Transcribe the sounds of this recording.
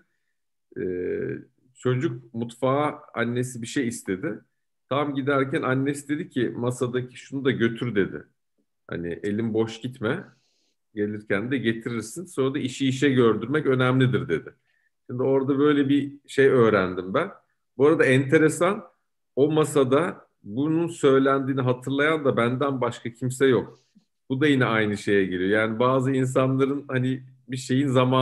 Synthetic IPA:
ɛː | t͡ʃʰo̞d͡ʒucmut̪faːanːe̞sibiʃe̞jist̪ʰe̞d̪ɪ | t̪ʰamɟid̪æɾcʰænanːe̞sid̪e̞d̪icʰɪmasad̪acʰi̥ʃunud̪aɟø̞t̪ʰyɾd̪e̞d̪ɪ̰ | ha̰nɪ̰ʔe̞lʲimbo̞ʃɟit̪mɛ | ɟe̞lʲiɾcʰænd̪ɛɟe̞t̪ʰiɾiɾsinso̞nɾad̪aiʃiːʃ̬ɛɟø̞ɾd̪yɾmɛcø̞næmlʲid̪iɾd̪e̞d̪ɪ | ʃind̪io̞ɾd̪abø̞jlʲɛbiʃe̞jø̞ːɾænd̪imbæn | buaɾad̪aɛnt̪ʰe̞ɾe̞san | o̞masad̪a | bununsø̞jlʲænd̪iːniɦat̪ʰɯɾlˠajand̪abænd̪ænbaʃkʰacʰimsɛjok̚ | b̥ud̪ajinɛajnɯʃe̞jɛɟe̞lʲijo̞jaːnibaːzɯins̬anlˠaɾɯnhanibiʃe̞jinzamaː

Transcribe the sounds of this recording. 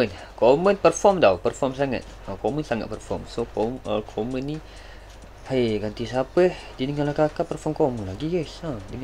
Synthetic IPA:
ən | komənpərfɔmdawpərfɔms̬aŋa̰t̪̚ | əkomənsaŋa̰t̪̚pərfɔ̰msooəkʰomənːi | hajɡant̪isapəhdinəŋanlakakapərfɔmkomənlaɡiɡəsadəŋ

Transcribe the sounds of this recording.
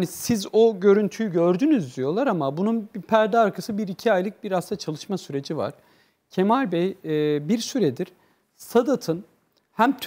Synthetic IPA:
nisizo̞ɟø̞ɾynt̪ʰyjyɟø̞ɾd̪ynyzd̪ijo̞lˠaɾamabununbipʰæɾd̪aːɾkʰasɯbiɾicʰiajlˠɯk̚biɾast̪ʰat͡ʃʰalˠɯʃmasyɾe̞d͡ʒiva̰ɾ̥ | cʰemalʲbɛjbiɾsyɾɛd̪iɾ̥ | sad̪at̪ʰɯn | hæmt̪ʰ

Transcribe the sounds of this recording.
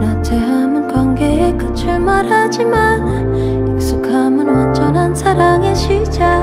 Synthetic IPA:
nat͡ɕeɦamɯnkwanɡeekɯt͡ɕʰɯɭmaɾad͡ʑiman | juk̚s͈ʰukʰamɯnːat͡ɕʌnansʰaɾaŋeɕʰid͡ʑa

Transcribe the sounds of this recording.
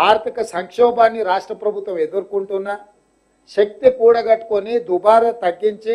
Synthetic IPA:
aːɾt̪ʰikɐsɐŋkʂɔːbaːnːiɾaːʂʈɾɐpɾɐbʱut̪ʋɐmed̪uɾukuɳʈunːɐ | ʃɐk̚t̪ikuːɽɐɡɐʈːkonid̪ubaːɾɐt̪ɐɡːiɲt͡ʃi

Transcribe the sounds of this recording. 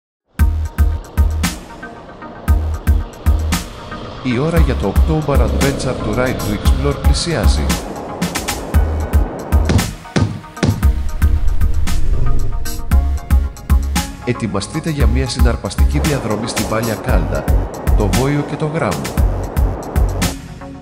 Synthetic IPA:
io̞ɾɐʝɐt̪o̞ːkt̪oubɐɾɐnd̪ve̞nsɐɾt̪uɾɐjnt̪uiksplo̞ɾplisiɐzḭ | e̞t̪imɐst̪it̪e̞ʝɐmɲɐsinɐɾpɐst̪iciðiɐðɾo̞mist̪ivɐʎɐkɐld̪ɐ̰t̪o̞vo̞ioce̞t̪o̞ɣɾɐmo̰

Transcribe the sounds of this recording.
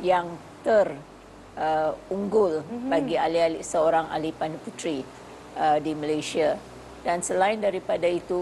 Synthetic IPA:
jaŋt̪ər | ʔəuŋɡʊlbaɡialialisəoɾaŋa̰lipanfut̪ɾi | ədiməlajsia | dansəlaɪndaɾipadait̪u

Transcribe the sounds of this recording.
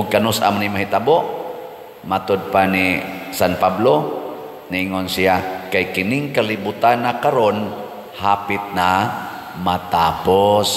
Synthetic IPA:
ʊɡ̚kanʊsʔa̰mnimaɦit̪aboʔ | mat̪od̪̚panisanpablo | niːŋonsiakajkɪnɪŋkalibut̪anːakaɾon | haːpɪt̪̚na | mat̪aːpos

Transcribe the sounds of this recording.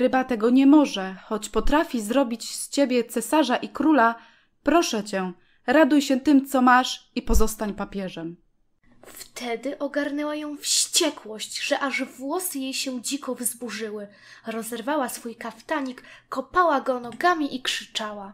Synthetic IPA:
ɾɘbat̪ɛɡɔɲɛmɔʐɛxɔt͡ɕpɔt̪ɾafʲizɾɔbʲit͡ɕst͡ɕebʲjɛt̪sɛsaʐaʔikɾula | pɾɔʂɛt͡ɕɛ | ɾad̪ujɕɛt̪ɘmt̪sɔmaʂipɔzɔst̪aɲpapʲjɛʐɛm | ft̪ʰɛd̪ɘʔɔɡaɾnɛwajɔ̃w̃fɕt͡ɕɛkwɔɕt͡ɕʐ̥ɛʔaʐvwɔsɘjejɕɛd͡ʑikɔvzbuʐɘwɘ | ɾɔzɛɾvawasfujkaft̪aɲikːɔpawaɡɔnɔɡamʲiʔikʂɘ̥t͡ʂawa

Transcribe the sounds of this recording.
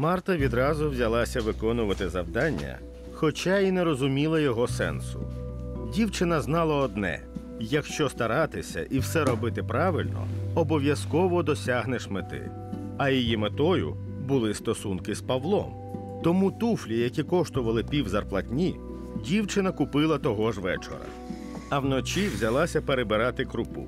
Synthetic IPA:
mɑrt̪ɐʋʲid̪ɾɑzʊwzʲɐlˠɑsʲɐʋɪkɔnʊʋɐt̪ɪzɐwd̪ɑnʲːɐ̰ | xɔt͡ʃainɛɾɔzʊmʲilˠɐjɔɦɔsɛ̰nsʊ̰dʲiwt͡ʃɪnɐznɑlˠɐɔd̪̚nɛ̰ | jɐkʃt͡ʃɔst̪ɐɾɑt̪ɪsʲɐ̰ʔiwsɛɾɔbɪt̪ɪpɾɑʋɪlʲnɔ̰ɔbɔʋʲjɐskɔʋɔd̪ɔsʲaɦneʃmɪt̪ɪ̰ | ɐjijimet̪ɔjʊ̰ | bʊlˠɪst̪ɔsunkɪspɐʋlˠɔ̰m | t̪ɔmut̪uflʲijɐkʲikɔʃt̪ʊʋɐlˠɪpʲiwzɐrplˠɐtʲnʲi | dʲiwt͡ʃɪnɐkʊpɪlˠɐt̪ɔɦɔʒʋɛ̰t͡ʃɔ̰ɾɐ̰ | ɐwnɔt͡ʃiwzʲɐlˠɑsʲɐpeɾebɪɾɑt̪ɪkɾʊpṵ

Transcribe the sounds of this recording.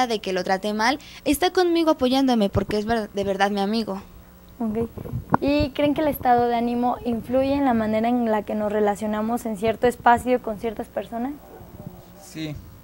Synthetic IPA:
aðe̞ke̞lo̞t̪ɾat̪e̞male̞st̪ako̞nmiɣoapo̞ʝand̪o̞me̞po̞ɾkeezβeðe̞βe̞ɾðaðmiamiɣo̞ | okejikɾe̞ŋkele̞st̪aðo̞ðe̞anĩmo̞ʔiɱfluʝe̞ːnlamãne̞ɾaenlake̞no̞sre̞lasjo̞namo̞se̞nsje̞ɾt̪oespasjoko̞nsje̞ɾt̪aspe̞ɾso̞nas | si

